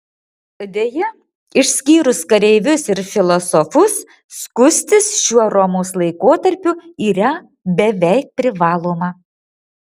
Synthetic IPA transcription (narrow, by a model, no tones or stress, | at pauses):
ɐd̪ʲejɛ | ɪʃʲsʲkʲiːɾʊskɐɾʲɛɪʋʲʊsɪɾfʲɪlˠɔsɔfʊs | skʊsʲt̪ʲɪsʃʲuɔɾɔmoʊslˠɐɪkoːt̪ɐɾʲpʲʊiːɾɐ | bʲɛʋʲɛɪk̚pʲɾʲɪʋɑːlˠoːmɐ